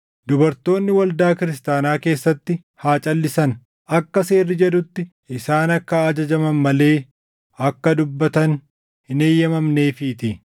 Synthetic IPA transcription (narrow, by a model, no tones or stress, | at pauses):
d̪ʊbɐɾt̪o̞ːnːɪwɐld̪aːkɪɾɪs̬t̪aːnaːke̞ːsːɐt̪ːɪ | haːt͡ʃʼɐlːɪsɐn | ɐkːɐse̞ːrːɪd͡ʒɛd̪ʊt̪ːɪ | ɪsaːnɐkːɐːd͡ʒɐd͡ʒɐmɐnmɐle̞ː | ɐkːɐd̪ʊbːɐt̪ɐn | hɪne̞ːjːɐmɐmne̞ːfɪːt̪ɪ